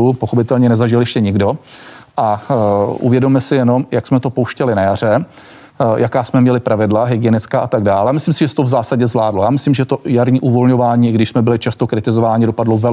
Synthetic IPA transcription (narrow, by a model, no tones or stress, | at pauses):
upoxo̞pɪt̪ɛlɲɛnɛzaʒɪljɛʃcɛɲɪɡdo̞ʔaʔṵvjɛdomɛsɪjɛno̞mjaksmɛt̪o̞po̞wʃcɛlɪnajarɛ | jakaːsmɛmɲɛlɪpɾʔavɪdlaɦɪɡɪɛnɪt͡skaːʔat̪aɡ̚daːlɛamɪslimsɪʒɛsɛ̥t̪ovzaːsaɟɛzvlaːdlojaːmɪslimʒɛjɛt̪ojaɾɲiːʔuvo̞lɲo̞vaːɲiːʔɪɡdɪʃsmɛbɪlɪt͡ʃast̪okɾɪt̪ɪzovaːɲɪdo̞padlovɛ